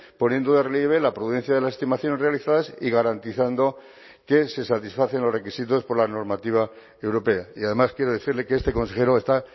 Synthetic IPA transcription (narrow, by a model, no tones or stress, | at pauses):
po̞nje̞nd̪oðereljeβ̞e̞lapɾuðe̞n̟θjaðe̞lasest̪imaθjo̞ne̞zrealiθaðasiɣaɾant̪iθand̪o̞ | ke̞se̞sat̪isfaθe̞nlo̞zre̞kisit̪o̞spo̞ɾlano̞ɾmat̪iβ̞a | e̞wɾo̞pe̞aiaðe̞maskjeɾoð̞eθiɾlekeest̪e̞ko̞nse̞xe̞ɾoest̪a